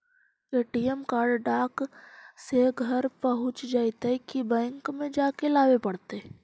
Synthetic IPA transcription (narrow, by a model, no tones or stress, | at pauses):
eːʈiemkaːɾɖɖaːkseɡʱɐɾpəɦʊ̃t͡ʃd͡ʒaːit̪ekibɛ̃ːŋkmẽd͡ʒaːkelaːʋepɐɽt̪e